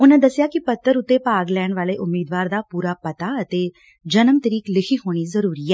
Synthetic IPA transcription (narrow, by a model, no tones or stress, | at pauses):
ʊnãːd̪əsːɪjaːkɪpət̪ːəɾʊt̪ːeːpaːɡlɛːɳʋaːleːʔʊmːiːd̪ʋaːɾd̪aːpuːɾaːpət̪aːət̪eː | d͡ʒənəmt̪əɾiːklɪkʰiːɦoːɽ̃iːzəɾuːɾiːɛː